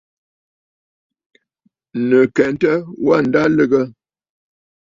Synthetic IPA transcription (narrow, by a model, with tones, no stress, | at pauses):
nə˨kɛ˨n˦tə˦wa˦˨n̩˨da˦lə˦ɡə˦